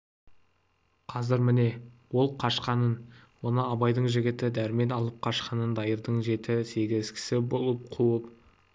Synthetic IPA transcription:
qʰɑzɪɾmɪne̞ | wo̞lˠqʰɑʃqɑnənwo̞nəɑbɑjd̪əɴʒɪɡʲɪt̪ɪd̪æɾme̞nɑlˠəp̚qʰɑʃqɑnənd̪ɑjəɾd̪əɴʒe̞t̪ɪse̞ɡʲɪzz̥kʲʰɪ̥sɪbo̞lˠəp̚qʰuəp̚

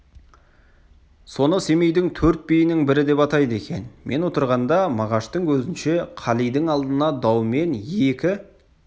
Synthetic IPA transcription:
so̞nəse̞me̞jd̪ɪŋt̪ʰɵɾt̪̚bijɪnɪŋbɪɾɪd̪e̞pɑt̪ɑjd̪əe̞kʲe̞̰nmʔe̞nwo̞t̪əɾʁɑnd̪ɑmɑʁɑʃt̪əŋkʰɵzɪnʃe̞qʰɑlˠijd̪ɪŋɑlˠd̪ənɑd̪ɑwme̞nje̞kʲɪ

